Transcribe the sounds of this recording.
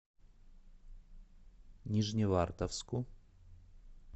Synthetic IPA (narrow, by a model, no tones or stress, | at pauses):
nʲiʐnʲɪvart̪afsku